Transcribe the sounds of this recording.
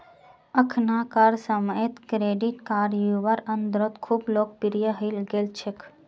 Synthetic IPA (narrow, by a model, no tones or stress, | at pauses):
əkʰnakaɾsəməet̪kɾeːɖiʈkaːɾjuʋəɾənd̪ɾot̪kʰuːbloːk̚piɾijəɦəɪlɡelt͡ʃʰekʰ